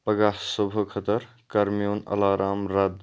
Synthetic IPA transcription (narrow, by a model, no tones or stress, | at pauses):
pəɡasobʱəkʰət̪əɾ | kaɾmijonɐ̰laːɾaːmɾad̪